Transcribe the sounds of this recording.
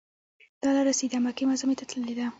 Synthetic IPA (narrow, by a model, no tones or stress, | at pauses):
d̪̥ɑlaɾased̪amakemazamet̪at̪ləled̪a